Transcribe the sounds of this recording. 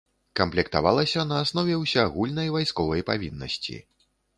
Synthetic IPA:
kɐmplʲɛkt̪a̰valˠɐsʲɐnɐːsn̪ɔvʲɛwsʲaaɣulʲnɐjvajskɔvɐjpavʲinːɐ̰sʲt͡sʲḭ

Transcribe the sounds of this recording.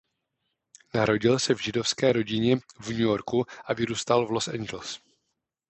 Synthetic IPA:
naɾo̞ɟɪlsɛvʒɪdo̞fskɛːɾo̞ɟɪɲɛvɲujo̞ɾkuʔavɪɾuːst̪alvlo̞sɛnd͡ʒɛls

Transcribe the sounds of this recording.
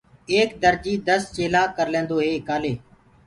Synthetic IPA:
eːkd̪əɾd͡ʒiːd̪əst͡ʃeːlaːkəɾlẽːnd̪oːɦeːɪkaːleː

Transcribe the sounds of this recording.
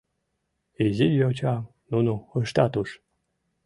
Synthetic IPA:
ezʲijot͡ɕɑ | nunuəʃt̪ɑt̪uʃ

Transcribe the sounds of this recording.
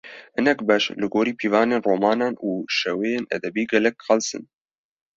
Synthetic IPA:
hɨnɛkbɛʃlɨɡoːɾiːpʰiːvɑːneːnroːmɑːnɑːnuːʃɛweːjeːnɛ̰d̪ɛbiːɡɛlɛk̚qɑlsɨ̰n

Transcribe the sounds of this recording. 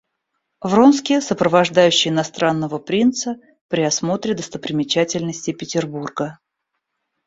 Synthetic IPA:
vronskʲɪsəpɾəvɐʐd̪ajʉɕːɪjɪnɐst̪ɾanːəvəpɾʲint̪sə | pɾʲɪɐsmo̞t̪ɾʲɪd̪əst̪əpɾʲɪmʲɪt͡ɕætʲɪlʲnəsʲtʲɪpʲɪtʲɪrburɡə

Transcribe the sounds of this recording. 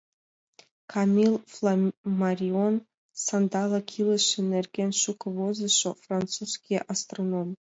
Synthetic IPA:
kʰamilflamarʲion | sand̪ɑlˠakʲʰiləʃɨnerɡʲenʃukʰvozɨɕofrant͡sʰuskʲʰiʔast̪ronom

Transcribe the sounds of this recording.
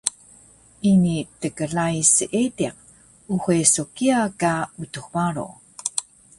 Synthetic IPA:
ʔinitəkəɮajsəʔetiq̚ | uxesokiakautuxbaɾo̰

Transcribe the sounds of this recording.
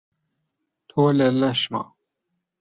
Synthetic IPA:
t̪ʰoːlɛlɐʃmɑ̰

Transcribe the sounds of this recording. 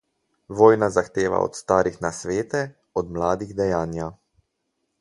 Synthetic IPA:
ʋɔːjnazaxt̪eːʋa̰ɔ̰t̪st̪aːɾixnasʋeːt̪ɛ | ɔd̪mlaːd̪iɣd̪ɛjaːnja

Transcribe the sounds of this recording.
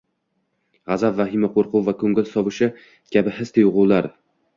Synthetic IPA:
ʁɑzabvahɪmaqʰoɾqʰʊwvakʰɵŋɡʲɪlsɒvɪʃɪ | kʲabɪɦɪst̪ʰɪjʊʁʊwlaɾ

